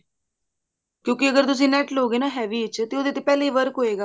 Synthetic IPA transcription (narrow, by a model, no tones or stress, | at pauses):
kjõːkɪəɡəɾt̪ʊs̬ĩːnɛːʈloːɡeːnaːɦɛːʋiːt͡ʃt̪eːʊd̪eːt̪eːpɛːleiːʋəɾkɦoːeːɡaː